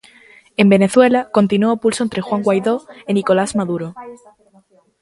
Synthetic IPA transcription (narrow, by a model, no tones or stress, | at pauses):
e̞mbe̞ne̞θwe̞lako̞nt̪inuopulsont̪ɾe̞xwaŋɡwajðo̞eniko̞lazmaðuɾo